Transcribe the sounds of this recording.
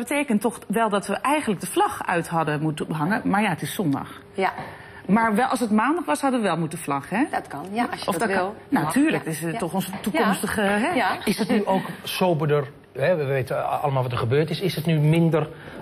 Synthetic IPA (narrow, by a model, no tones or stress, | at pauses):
bəteːkəntɔxʋɛlˠdɔtʋəʔɛjɣən̩tlək̚dəflɑxœ̰ɥtɦɑdəmutəbəɦɑŋəmaɹjaətɪssɔndɑ̰x | maɹʋɛʔɑsətmaːndɑxʋɔshɑdəʋəʋɛlˠmutəflɑxhɛtɔfnatʰyːɹlək̚ɪstɔxɔnzətukɔmstəɣəɦɛɪsdɔtnyʔoːksoːbədər | hɛʋeːtəɑ̰ləmalˠʋɔtəχəbøːɹtɪsɪsətnymɪndər